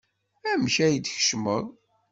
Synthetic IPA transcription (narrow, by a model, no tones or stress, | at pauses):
æmçæjəd̪çə̥ʃməðˤ